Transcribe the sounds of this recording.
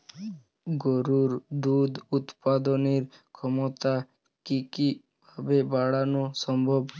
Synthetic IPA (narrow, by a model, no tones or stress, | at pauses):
ɡɔɾuɾd̪ud̪ut̪pad̪ɔneɾkʰɔmɔt̪a | kiki | bʱabebaɽanusɔmbʱɔb